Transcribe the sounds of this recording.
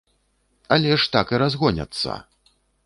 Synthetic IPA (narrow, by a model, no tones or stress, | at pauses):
alʲɛʂt̪akɨɾazɣɔnʲɐ̰t̪sːɐ̰